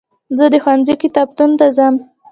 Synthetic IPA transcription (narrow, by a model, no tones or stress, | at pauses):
zəd̪əxwanzikɪt̪ɑb̚t̪unt̪azam